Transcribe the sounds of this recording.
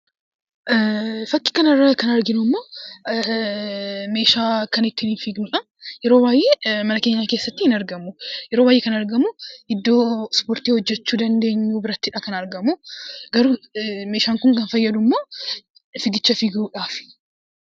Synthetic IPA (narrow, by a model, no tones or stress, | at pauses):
ʔfɐkːɪ̥kɐnɐrːɐkɐnɐɾɡɪnʊmːoː | me̞ːʃaːkɐnɪt̪ːɪniːnfiːɡnuːᶑɐ | jɛɾo̞ːbaːjʔe̞ːmɐnɐke̞ːɲːake̞ːsːɐt̪ːɪhɪnɐɾɡɐmujɛɾo̞ːbaːjekɐnɐɾɡɐmuʔɪd̪ːo̞ːspo̞ːɾt̪iːhɔd͡ʒːɛt͡ʃːuːd̪ɐnd̪e̞ːɲːuːbɪɾɐt̪ːɪᶑɐkɐnɐɾɡɐmuɡɐɾume̞ːʃaːŋkʊŋkɐnfɐjːɐd̪ʊmːoː | fɪɡɪt͡ʃːɐfiːɡuːᶑaːfɪ̥